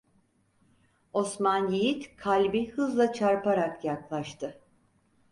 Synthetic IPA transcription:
o̞smanjejit̪kʰalʲbihɯzlˠat͡ʃʰaɾpaɾakjaklˠaʃt̪ʰɯ

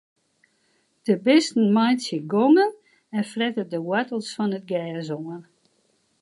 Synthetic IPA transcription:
d̥əbɪstn̩majtsjəɡɔŋən | ɛnfrɛtədəwatəl̩ˠsfɔnət̚ɡɛːzoŋən

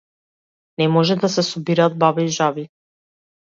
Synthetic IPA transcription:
nɛmɔʒɛd̪asɛsɔbiɾaːd̪̚babɛiʒavi

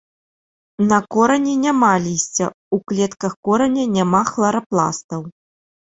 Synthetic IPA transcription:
nɐkɔɾɐnʲɛnʲamalʲisʲt͡sʲɐ̰ | uklʲɛt̪kɐxkɔɾɐnʲɐnʲamaxlˠɐɾɐplˠa̰st̪ɐw

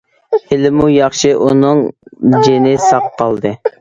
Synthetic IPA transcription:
hɪlɪmujɑχʃɨʔunɨŋd͡ʒenɪsɑqqʰːɑlˠd̪ɨ

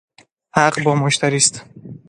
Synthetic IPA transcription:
haqbɔmoʃt̪ʰaɾist̪

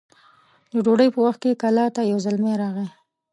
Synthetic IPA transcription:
d̪əɖoɽəjpəwaxt̪̚kekalɑt̪ajawzəlmeɾɑɣe

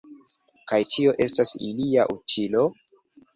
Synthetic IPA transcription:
kajtʰio̞ʔe̞stasḭliaʔutʰilo̞

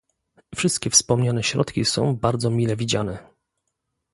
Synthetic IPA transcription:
fʂɘst̪̚kʲɛfspɔmɲanɛɕɾɔ̰t̪kʲisɔ̰̃w̃baɾd̪zɔmʲilɛvʲid͡ʑanɛ

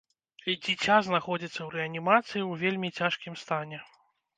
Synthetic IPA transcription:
d͡zʲit͡sʲaznaxɔd͡zʲit̪sːɐwɾɛɐnʲimat̪sɨjiwvʲelʲmʲit͡sʲaʂkʲimst̪anʲɛ

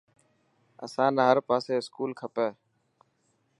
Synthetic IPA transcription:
ə̰sãːnaːɦəɾpaːseːɪskuːlkʰəpeː

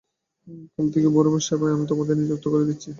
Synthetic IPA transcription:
kolt̪ʰekebɔɾobaʃːaɾbaamit̪omod̪ʱeɾnid͡ʑukt̪okoɾed̪itːʰi

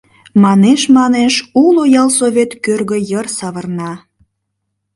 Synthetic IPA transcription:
mɑneʃmɑneʃulojɑlsovʲet̪kørɣə̆jərsɑβərnɑ

